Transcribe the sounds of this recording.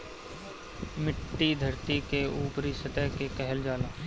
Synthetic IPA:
mɪʈːid̪ʱɐɾt̪ikeuːpɾisɐt̪əɦkekɛɦəld͡ʒaːlaː

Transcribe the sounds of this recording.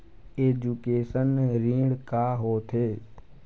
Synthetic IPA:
eːd͡ʒuːkeːsənɾĩːɽkaːɦoːt̪ʰeː

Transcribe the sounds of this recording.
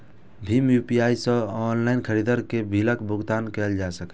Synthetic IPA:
bʱimjupijaisə̃ɔnlaɪnkʰəɾid̪əɾkebʱiləkbuɡt̪ankɛld͡ʒasəkɛ

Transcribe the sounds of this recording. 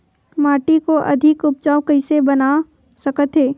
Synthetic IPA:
maːʈikoʔɐ̰d̪ʱɪkʊp̚t͡ʃaːʊkəɪsebɐna | sɐkət̪ɦeː

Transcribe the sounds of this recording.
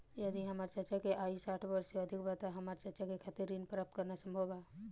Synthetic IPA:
jɐd̪iɦəmaːɾt͡ʃəɾt͡ʃakeʔaːisaːʈʰbəɾseɐd̪ʱikbat̪aɦɐmaːɾt͡ʃɐɾt͡ʃakekʰaːt̪iɾːinpəɾəp̚t̪kəɾnasə̃mbʱəbaː

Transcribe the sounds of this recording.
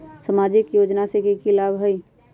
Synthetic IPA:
səmaːd͡ʒɪkjoːd͡ʒnasekikilaːbɦəi

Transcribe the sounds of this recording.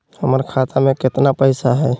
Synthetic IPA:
həməɾkʰat̪amekɪt̪napəɪsaɦɛ

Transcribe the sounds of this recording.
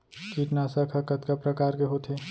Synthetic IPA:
kiːʈnaːsakʰɐkɐt̪kapɾɐkaːɾkeɦoːt̪ʰeː

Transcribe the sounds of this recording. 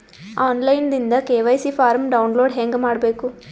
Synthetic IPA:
aːnlɐjnd̪ind̪ɐkeːʋɐjsifʰaːɾmɖɐwnloːɖɦeːŋɡemaːɽɐbeːku

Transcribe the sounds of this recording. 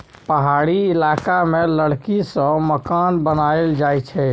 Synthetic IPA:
pəɦaɽiɪlakameləɽkisə̃məkanbənaeld͡ʒajt͡ʃʰɛ

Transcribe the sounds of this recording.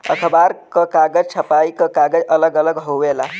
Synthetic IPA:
ə̰kʰəbaɾkəkaɡəd͡ʒt͡ʃʰəpaikəkaɡəd͡ʒələɡələɡɦoʋela

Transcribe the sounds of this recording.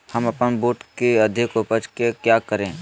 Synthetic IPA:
hɐmɐpənboːʈkeɐd̪ʱɪkʊpət͡ʃkekjaːkəɾẽː

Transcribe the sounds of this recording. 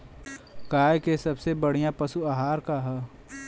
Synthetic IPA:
kaːjkesɐbsebɐɽ̤ijãpɐsuaɦaːɾkaɦɛ

